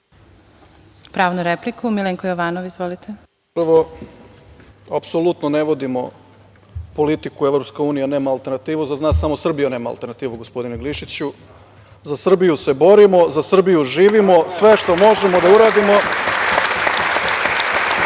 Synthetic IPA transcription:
pɾaːʋnuɾeplikumileŋkojoʋaːnoʋizʋolit̪ʰe | pr̩ʋo | apsolˠut̪none̞ʋo̞d̪imo̞̰ | po̞lit̪ikuevɾo̞pskeuːnijene̞ːmaːlˠt̪e̞ɾnat̪iːʋuzaznaːsamo̞sr̩bijune̞ːmaa̰lˠt̪e̞ɾnat̪iːʋuɡospo̞d̪ineɡliʃit͡ɕu | zasr̩bijuse̞bo̞ɾimo̞zasr̩bijuʒiːʋimo̞sʋe̞ʃt̪o̞mo̞ʒemo̞d̪auɾaːd̪imo̞

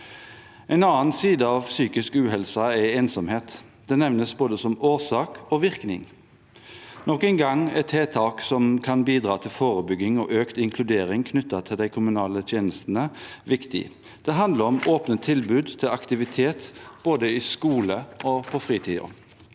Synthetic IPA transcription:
ɛɪnɑːnsiːd̪əɑːʋsyːkɪskʉːɦɛlsɑɛeːnsɔmheːt̪ | d̪̥ɛnɛʋnəsboːd̪əsɔmoːsɑːkɔʋɪʁknɪ̰ŋ | nɔkɛŋɡɑŋɛ̰t̪ʰheːt̪ʰɑːksɔmkʰɑnbiːd̪ʁɑːt̪ʰɪlfoːʁəbʏɡɪŋɔʔøːkt̪ɪŋkʰlʉd̪eːɾɪŋkʰnʏt̪ːɑt̪ʰɪld̪æɪkʰʊmʉnɑːlət̪ʰjeːnəst̪nəʋɪkt̪ɪ̰ | d̪̥ɛɦɑnd̪ləʁɔmoːpnət̪ʰːɪlbʉːd̪t̪ʰɪlɑkt̪ɪʋɪt̪ʰeːt̪b̥oːd̪əɪskuːləɔpʰɔfʁiːt̪ʰiːo̰

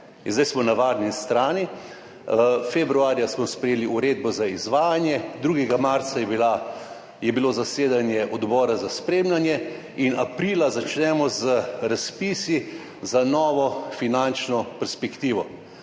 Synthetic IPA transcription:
inzd̪ajsmɔnaʋaːɾnist̪ɾaːni | fɛbɾuaːɾjasmɔspɾɛjeːliuɾeːd̪̚bɔzaizʋaːjanjɛd̪ɾuːɡɛɡamaɾt̪sajɛbila | jɛbilozaseːd̪anjɛʔɔd̪bɔːɾazaspɾeːmlanjɛ | inapɾiːlazat͡ʃnɛmɔzəɾaspiːsi | zanɔːʋɔfinant͡ʃnɔpɛɾspɛkt̪iːʋɔ

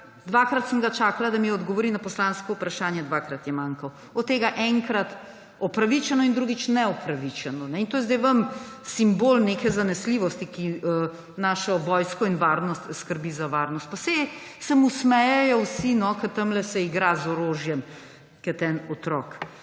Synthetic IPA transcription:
d̪ʋakɾat̪səmɡat͡ʃaːkalad̪amiɔd̪ɡɔʋoɾinapɔslanskɔupɾaʃaːnjɛd̪ʋaːkɾat̪jɛmaːŋkɐw | ɔt̪ːeːɡaʔɛŋkɾat̪ | ɔpɾaʋit͡ʃɛnɔind̪ɾuɡit͡ʃnɛɔpɾaʋit͡ʃɛnɔnɛint̪oːjɛzd̪ɛjʋɐmsimboːlneːkɛzanɛsliːʋɔst̪ikiə | naːʃɔʋɔːjskɔinʋaɾnɔst̪skəɾbizaʋaːɾnɔst̪̚pasɛ | sɛmusmɛjɛjɔwsinɔkɐt̪ɐmlɛsɛiɡɾazɔɾoːʒjɛm | kɛt̪ɛnɔt̪ɾɔːk

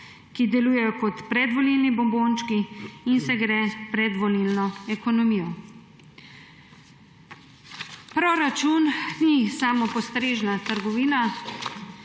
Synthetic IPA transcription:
kid̪ɛlujɛjɔkɔt̪pɾɛd̪ʋɔlilnibɔmbont͡ʃkiːnsɛɡɾɛːpɾɛd̪ʋɔlilnɔɛkɔnɔmiːjɔ | pɾoɾat͡ʃunnisaːmɔpɔst̪ɾeːʒnat̪əɾɡɔʋiːna

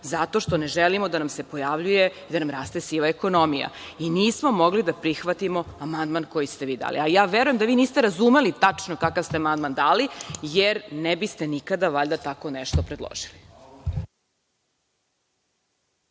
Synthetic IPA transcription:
zat̪o̞ʃt̪o̞neʒelimo̞d̪anamsepojaʋʎujeid̪anamɾaːst̪esiʋaeko̞nomija̰iniːsmomoɡlid̪apɾixʋat̪imo̞amand̪manko̞jist̪eʋiːd̪a̰ːlḭajaːʋeɾujemd̪aʋiːniːst̪eɾazumelit̪at͡ʂnokakavst̪eamand̪mand̪aːlijeɾnebist̪e̞nikad̪aʋaʎd̪at̪ako̞neʃt̪opɾed̪lˠo̰ʒili

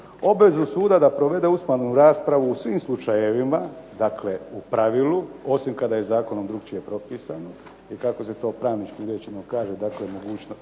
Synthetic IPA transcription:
o̞bʋe̞zusuːd̪ad̪apɾo̞ʋe̞d̪eusmanuɾaːspɾaʋuːsʋimslˠut͡ʃaje̞ʋimad̪akʰle̞upɾaʋiluo̞simkad̪aje̞zaːko̞nomd̪ɾukt͡ʃije̞pɾo̞piːsano | ikako̞se̞t̪o̞ːpɾaːʋnit͡ʃkiɾjet͡ʃenokaːʒed̪aklemo̞ɡuːt͡ʃno

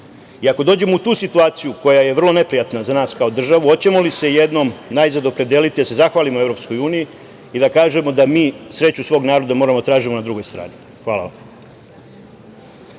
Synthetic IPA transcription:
iako̞d̪o̞ːd͡ʑe̞mout̪uːsit̪uaːt̪sijuko̞jaje̞ʋr̩lˠo̞ne̞pɾijat̪nazanaːskao̞d̪r̩ʒaʋuo̞t͡ɕe̞mo̞lise̞je̞d̪no̞mnajzad̪o̞pɾe̞d̪jelit̪id̪ase̞zaxʋaːlimoe̞vɾopsko̞juːniji | id̪akaːʒemo̞d̪amiːsɾe̞t͡ɕusʋo̞ːɡnaːɾo̞d̪amo̞ːɾamot̪ɾaːʒimo̞nad̪ɾuɡo̞jst̪ɾa̰ːni | xʋaːla̰ʋa̰m

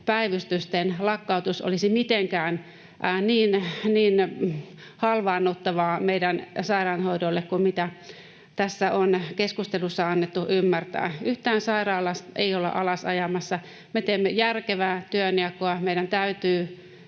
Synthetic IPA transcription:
pæiʋyst̪yst̪enlɑkːɑut̪uso̰lisimit̪eŋkæːn | ʔniːnniːn | hɑlʋɑːnːot̪ːɑʋɑːmeidænsɑirɑːnhoidolːekkummit̪æ | t̪æsːæonkeskust̪elusːɑɑnːet̪ːuʔymːært̪æ̰ːyht̪æːnsɑirɑːlɑst̪ḛiolḛʔɑlɑsɑjɑmɑsːɑ | met̪eːmːøjærkeʋæːt̪yøniɑkːoɑmeiɾænt̪æyt̪yː

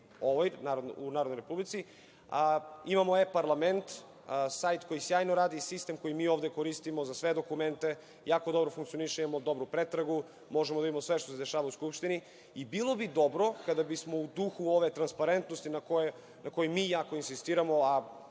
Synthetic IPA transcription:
oʋojnaɾod̪nunaːɾod̪nojɾepublit̪si | əimamoepaɾlˠament̪ː | sajt̪ko̞jisjaːjnoɾaːd̪isist̪emko̞jimiːovd̪ekoɾist̪imo̞zasʋed̪o̞kument̪e̞ | jaːkod̪o̞bɾofuŋkt̪sijo̞niʃeimamod̪o̞bɾupɾet̪ɾaɡu | mo̞ʒemod̪aimamosʋe̞ʃt̪o̞sed̪eʃaːʋauskupʃt̪ini | ibilˠo̞bid̪o̞bɾo̞kad̪abismo̞ud̪uxuoʋet̪ɾanspaɾent̪nost̪inakoj | nʔako̞jimiːjaːkoinsist̪iːɾamo̞a

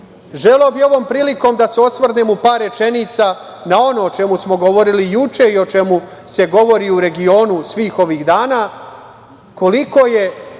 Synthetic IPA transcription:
ʒeleoːbio̞ʋo̞ːmpɾiːliko̞ːmd̪aseo̞sʋrnemupaːɾe̞t͡ʃe̞niːt̪sa | nao̞noːt͡ʃe̞musmo̞ɡo̞ʋo̞ɾilijut͡ʃe̞io̞t͡ʃe̞mu | se̞ɡo̞ʋo̞ɾiːuɾe̞ɡio̞ːnusʋiːxo̞ʋiːɣd̪aːnaː | ko̞liko̞ːje̞

